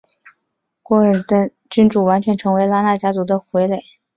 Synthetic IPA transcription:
kwɔ˥˩ə˞˨˩d̪ə˧ | t͡ɕy˥nʈ͡ʂu˥˩wa˧˥nt͡ɕʰɥɛ˧˥nʈ͡ʂʰɤ˧˥ŋwe˧˥ɪla˥na˥˩t͡ɕja˥t͡su˧˥d̪ə˧xwe˧˥ɪle˨˩˦ɪ

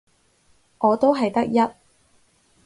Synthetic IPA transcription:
ŋɔː˨˧t̪o˥wɦɐ˨jt̪ɐ˥k̚jɐ˥t̚

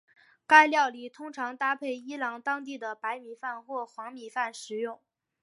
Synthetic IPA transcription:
ka˥ɪljɑ˥˩ʊli˨˩t̪ʰʊ˥ŋʈ͡ʂʰɑ˧˥ŋt̪a˥pʰe˥˩ɪi˥lɑ˧˥ŋt̪ɑ˥ŋt̪̬i˥˩d̪ə˩pa˧˥ɪmi˨˩fa˥˧nxwɔ˥˩xwɑ˧˥ŋmi˨˩fa˥˩nʂɻ̩˨˧˥jʊ˥˩ŋ

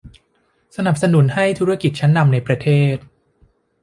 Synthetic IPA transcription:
sa˧na˨˩p̚sa˧nu˩˦nha˥˩jt̪ʰuː˦˥ɾa˥˩ki˨˩t̪̚t͡ɕʰa˦˥nːa˧mna˧jpɾa˧t̪ʰeː˥˩t̪̚

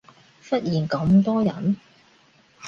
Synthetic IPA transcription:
fɐ˥t̚jiː˨˩nkɐ˨˥mt̪ɔː˥jɐ̰˨˥n

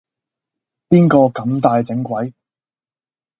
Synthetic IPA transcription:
piː˥nkɔː˧kɐ˨˥mt̪aː˧jt͡sɪ˨˥ŋkʷɐ˨˥j

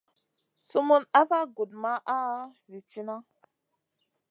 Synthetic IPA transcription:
su˦mu˦na˦sa˦ɡu˨d̚ma˦ʔa˦zi˨t͡ʃi˦na˦

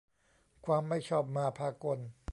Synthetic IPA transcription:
kʰwaː˧mːa˥˩jt͡ɕʰɔː˥˩p̚maː˧pʰaː˧ko˧n

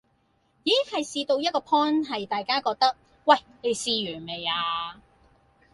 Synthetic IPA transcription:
jiː˨˦˥hɐ˨jsiː˧t̪o˧wjɐ˥t̚kɔː˧pʰɔː˥nɦɐ˨jt̪aː˨jkaː˥kɔː˧k̚t̪ɐ˥k̚ | wɐ˨˩j | ne˨˧jsiː˧ɥyː˨˩nme˨˩jaː˧

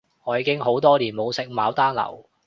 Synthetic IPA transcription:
ŋɔː˨˧jiː˨˧˥kɪ˥ŋɦo˨˥wt̪ɔː˥liː˨˩nmo˨˧wsɪ˨k̚maː˨˧wt̪aː˥nlɐ̰˨˩w

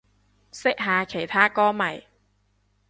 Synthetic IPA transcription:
sɪ˥k̚ɦaː˨kʰe˨˩jt̪ʰaː˥kɔː˥mɐ˨˩j

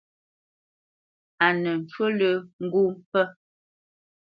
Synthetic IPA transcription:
a˨nə˨n̩˨t͡ʃwə˦lə˦ŋ̩˦ɡu˦mpə˦

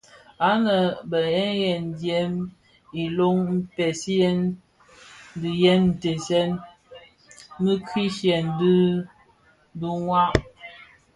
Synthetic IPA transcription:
a˦nə˨bə˨ɛ˦n˦jɛ˨n˨djɛ˨˦m | i˨lo˦ŋm̩˦pɛ˨sjɛ˦n˦ | di˨jɛ˦nn̩˨te˨sɛ˦n | mə˦kʰi˦ʃjɛ˨n˨dɨ˦ | du˦ŋwa˦ʔ

